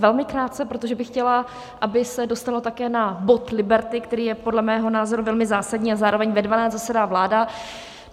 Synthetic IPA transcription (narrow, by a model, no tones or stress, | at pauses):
vɛlmɪkɾaːt̪t͡sɛpɾo̞t̪o̞ʒɛbɪxːcɛla | ʔabɪsɛdo̞st̪alo̞t̪akɛːnabo̞t̪lɪbɛɾt̪ɪkt̪ɛɾiːjɛpo̞dlɛmɛːɦo̞naːzo̞ɾuvɛlmɪzaːsadɲiːazaːɾo̞vɛɲvɛdvanaːzasɛdaːvlaːda